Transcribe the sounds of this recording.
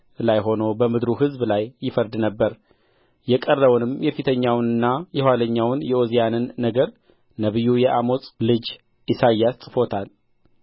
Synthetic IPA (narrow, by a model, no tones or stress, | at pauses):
lajɦo̞no̞bəmɨd̪ɾuɦɨzblajːɪfəɾd̪nəbːəɾ | jɛkʼərːəwnɨmjɛfit̪ʰəɲːawnɨnːajɛhwaləɲːawnjɛʔozijanɨnːəɡəɾ | nəβɨjːujɛʔamo̞t͡sʼlɨd͡ʒ | ʔisajːast̪ʼɨfo̞t̪ʰal